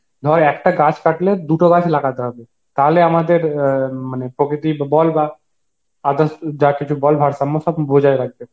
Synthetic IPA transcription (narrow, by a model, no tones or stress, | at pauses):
ɡ̪ʱɔɾɛkʈaɡat͡ʃkaʈled̪uʈoɡat͡ʃlaɡat̪eɦɔbe | t̪aːɦleamad̪eɾmanepɾokɾɪit̪ibbɔlba | ad̪əsd͡ʒakit͡ʃʰubɔlbʱaɾsamːosɔbbʱod͡ʒaeɾaɡ̚be